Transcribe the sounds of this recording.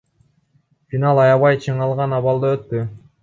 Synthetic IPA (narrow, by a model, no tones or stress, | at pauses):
fʲinɑlˠɑjɑβɑjt͡ʃʰɯɴɑlˠʁɑnɑβɑlˠd̪ɑøt̪ːy